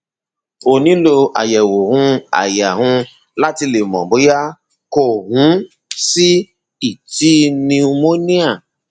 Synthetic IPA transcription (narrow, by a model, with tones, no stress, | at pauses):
o˨nĩ˨˦lo˧a̰˨jɛ˨wo˨hũ˧a̰˨ja˨ɦũ˧ | la˦ti˧le˨mɔ̰̃˨bo˨˦ja˦ | ko˦˨ɦũ˨˦ | si˦ | i˦˨ti˦nĩ˧u˧mo˦nĩ˦a˦˨